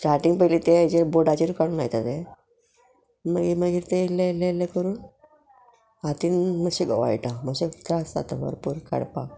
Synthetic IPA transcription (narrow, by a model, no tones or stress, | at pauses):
sʈaɾʈiŋɡpəjlit̪eajd͡ʑeboɽat͡ɕiɾukaɽ̃unajt̪at̪e | məɡiməɡiːɾt̪elːelːelːekəɾuːn | at̪iːnməɕiɡəʋa̰iʈaməɕet̪ɾasa̰t̪a̰bə̰ɾpuːɾkʰə̰ɽpa̰